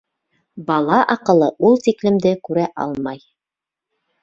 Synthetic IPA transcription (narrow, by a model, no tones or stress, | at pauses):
bɑlˠɑʔɑqɤ̆lˠɤʔulˠt̪iklɘ̆md̪ɘkʉɾæʔɑ̰lˠmɑj